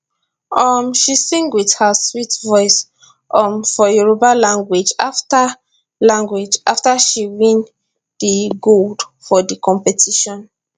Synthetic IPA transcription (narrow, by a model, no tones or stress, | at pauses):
ɔmʃisĩŋɡwið̥həswitvɔɪs | ʔɔ̃mfɔjuɹobalãŋɡwid͡ʒafta | lãŋɡwid͡ʒʔaftaʃiwĩn | diɡoldfɔdikʰɔ̃mpɛtʰiʃɔ̃n